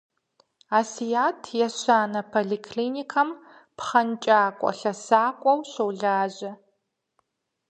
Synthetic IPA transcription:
aːsijaːtʰjɛɕaːnɐpʰoɮiːkʰliːnikʰɐm | pχɐnt͡ʃʼaːkʷʼɔ̰ɬɐsaːkʷʼɔwɕɐwɮaːʑɐ

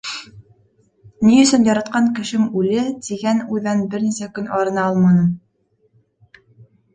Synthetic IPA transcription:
niɵ̆sɵnjɑɾɑt̪̚qɑŋkɘ̆ʃɘmʉlɘt̪iɡænʉðænbɘɾnisækɵnɑɾɤ̆nɑɑlˠmɑnɤm

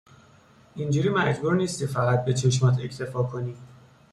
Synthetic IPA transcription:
ind͡ʒuːɾiːmæd͡ʒbuːɾniːst̪ʰifæɣæt̪̚be̞t͡ʃʰeʃmɒːt̪ʰe̞cʰt̪ʰe̞fɒːkʰoniː

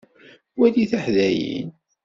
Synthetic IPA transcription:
wæliθaħðæjḭn

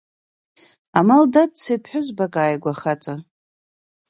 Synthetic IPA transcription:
amaldadsepʰħʷʊzbakʼaːjɡʷaχat͡sʼa

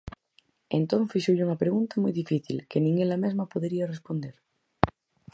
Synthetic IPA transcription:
ent̪onθisuʎuŋapɾeɣunt̪amujðifiθḭlkenĩŋɡelamezmapoðɾiarespond̪eɾ

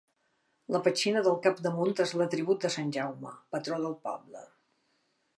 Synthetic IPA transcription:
ləpət͡ʃinəðəlˠkapd̪əmunt̪ezlət̪ɾiβut̪̚d̪əsanʲʒawmə̰pət̪ɾoðəlˠpɔ̰blə̰

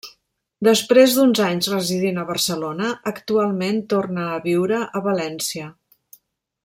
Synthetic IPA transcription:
d̪əspɾezd̪unzaɲzrəziðinəβərsəlonəəkt̪ualˠment̪ornəːβiwɾəʔəβəlɛnsiə

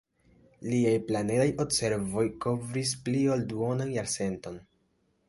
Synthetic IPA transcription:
liajplane̞dajo̞bse̞ɾvo̞jko̞vɾis̬pliolduonanjaɾse̞nto̞n

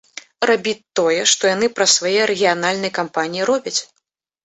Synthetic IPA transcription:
rʔabʲitt̪ːɔjɛʂt̪ɔjan̪ɨpɾɐsvajɛɾɛɣʲijanalʲnɐjkampanʲijiɾɔbʲɐt͡sʲ

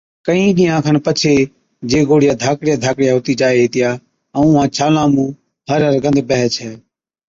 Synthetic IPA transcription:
kəĩːɗɪːjãːkʰənpət͡ʃʰeː | d͡ʒeːɡoːɽɪjaːd̪ʱaːkɽɪjaːd̪ʱaːkɽɪjaːɦʊt̪iːt͡ʃaːeːɦeːt̪ɪjaː | əũɦãːt͡ʃʰaːlãːmũː | həɾəɾɡə̃nd̪bəɦət͡ʃʰɛː

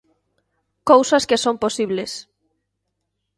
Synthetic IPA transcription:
kowsɐskesomposiβles

